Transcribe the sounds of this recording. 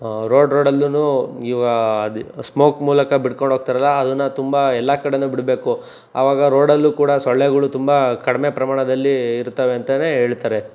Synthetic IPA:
ɾo̞ːɖɾoːɽɐlːunuːiːɡɐd̪smo̞ːkmuːlɐkɐbiɽkoɳɖʱɦoːɡ̚t̪iɾɐlːɐːd̪ɐnːɐt̪umbɐɛlːakɐɽenubiɽbe̞ːku | a̰ːʋaːɡɐɾo̞ːɽɐlːukuːɽɐsoɭːeɡɐɭut̪umbɐkɐɽimepɾɐmaːɳɐd̪ɐlːiːɾut̪ːɐʋeɐnt̪ɐneːɦe̞ːɭt̪aːɾe

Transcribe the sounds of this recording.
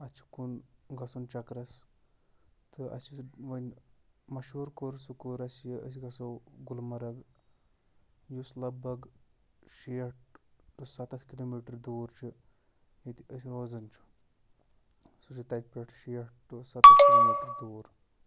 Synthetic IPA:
ɐt͡ʃʰi̥kunɡɐsunt͡ʃɐkɾɐs | t̪ʰɨɐ̰siʋɐnʲmɐʃuːɾkoɾsukoːɾɐsjiəs̬iɡɐsɐwɡulmɐɾɐɡ | juslɐbɐɡ | ʃeːʈʈusɐt̪ɐt̪ʰkiloːmiːʈɐɾd̪uːɾt͡ʃʰi | jit̪iəsiɾoːzɐnt͡ʃʰu̥ | sut͡ʃʰit̪ɐjk̚pʲeʈʰʃiːʈ̚ʈusɐt̪skiloːmiːʈɐɾd̪uːɾ

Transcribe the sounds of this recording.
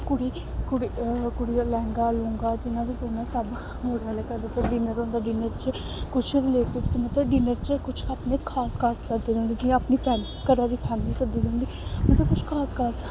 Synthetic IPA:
kʊɽiː | kʊɽikʊɽijaːlɛ̃ːŋɡaːlõŋɡaːd͡ʒɪnãːbiːsoːnaːsəb | ɦoɽaːleːkəɾd̪epəɾɖiːnəɾõːnd̪aːɖiːnəɾt͡ʃə | kʊt͡ʃʰɾleːt̪esiːmət̪əbɖiːnəɾt͡ʃəkʊt͡ʃʰapneːkʰaːskʰaːsːəd̪eːd̪ẽːnd̪iːd͡ʒɪãaːpniːpʰɛːn | kəɾãːd̪iːpʰɛːmɪliːsəd̪iːd̪eõːnd̪iːmət̪ləbkʊt͡ʃʰkʰaːskʰaːs

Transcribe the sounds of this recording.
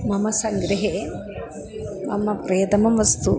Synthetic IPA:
mɐmɐsɐŋɡɾɐɦeː | mɐmɐpɾɐjɐd̪ɐmɐmʋɐst̪u

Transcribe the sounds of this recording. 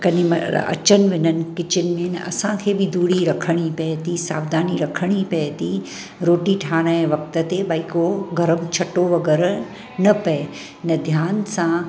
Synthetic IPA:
kɐnɪ̃mɐ̰ɐ̰t͡ɕənɪ̆ʋɪnənɪ̆kɪt͡ɕɪnɪ̆mẽnɐʔɐ̰sãkʰeːbid̪ʱuːɽiɾɐkʰəɽ̃ipɛt̪isa̰ːbd̪ʱaːniɾɐkʰəɽ̃ipɐt̪i | ɾoːʈiʈʰaːɽ̃ə̃ʋɐk̚t̪ət̪ebaikoɡʱɐɾəmt͡ɕʰɐʈoʋɐɡɛːɾ | nɐpɐe | nɐd̪ʱjaːnsã

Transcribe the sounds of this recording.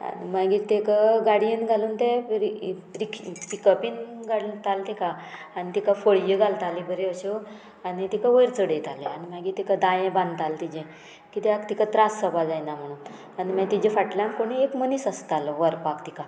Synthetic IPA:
a̰nimaɡiːɾt̪ekaɡaɽienɡʱaluːnt̪eɾitɾikɾikəpinɡʱaɽunt̪alt̪eka | anit̪ikafəɭjəɡʱalt̪alibʱəɾeəɕo | anit̪ikaʋəjɾt͡səɽet̪aleanimaɡiːt̪ikad̪ãjẽband̪t̪alt̪id͡ʑẽ | kit̪ɛakt̪ikat̪ɾasːəbad͡zajnam̤əɽ̃uːn | animat̪id͡ʑẽfaʈljãnkoɽ̃iekmənisəst̪alʋəɾpakt̪ika

